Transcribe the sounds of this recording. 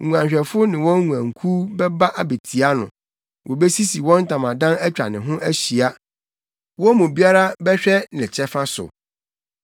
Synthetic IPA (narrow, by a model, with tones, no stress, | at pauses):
u˨ã˨ɲɕᶣɛ˨fʊ˦nɪ̃˨wɔ̃˦ŋũ˨ã˨ŋ˨kʰu˦bɛ˦ba˦ʔa˨be˨tʰi˨a˦nʊ̰̃˨ | wʔɔ˨bɛ˦si˦si˨wɔ̃˦n̩˦tʰã˨mã˨dã˦nɛ˦t͡ɕᶣɾa̰˨nɪ̃˨ɦʊ̃˦ʔæ˦ɕi˨a˦ | wɔ˦mʊ̃˨bi˦a˦ɾa˦bɛ˦ɕᶣɛ˦nɪ̃˨t͡ɕʰɛ˦fa˦sʊ̰˨